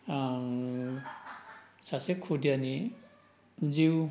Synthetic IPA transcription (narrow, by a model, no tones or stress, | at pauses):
sasekʰudiani | d͡ziw